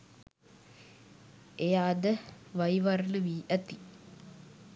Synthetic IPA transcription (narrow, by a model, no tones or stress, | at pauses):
ejaːd̪əʋɐjʋaɾluʋiːʔɐt̪i